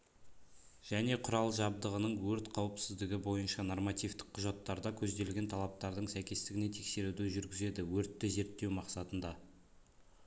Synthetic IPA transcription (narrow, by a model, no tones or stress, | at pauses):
ʒ̥æne̞qʰʊɾɑlˠʒɑb̚d̪əʁənəɴwɵɾt̪qʰɑwəpsɪzd̪ɪɡʲɪbo̞jənʃɑno̞rmɑt̪ijft̪ɪ̥q̚qʰːʊʒɑt̪ːɑɾd̪ɑkʲʰɵzd̪e̞lɡʲe̞nt̪ʰɑlˠɑp̚t̪ɑɾd̪əɴsæjkʲe̞st̪ɪɡʲɪne̞t̪ʰe̞kse̞ɾud̪ɪʒʏɾɡʲɪze̞d̪ɪwɵɾt̪ːɪze̞ɾt̪ːe̞wmɑqsɑt̪ənd̪ɑ